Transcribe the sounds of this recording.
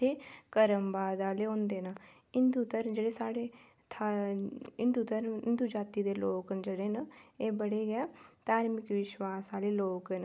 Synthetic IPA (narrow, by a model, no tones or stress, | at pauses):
eːkəɾəmbaːd̪aːleːɦõːnd̪eːnə | ɪnd̪ut̪əɾd͡ʒeɽeːsaːɽeː | t̪ʰa | ɪ̃nd̪uːt̪əɾɪnd̪uːd͡ʒaːt̪iːd̪eːloːknd͡ʒəɽeːnəeːbəɽeːɡɪjaːt̪aːɾmɪkʋɪʃwaːsaːleːloːkːn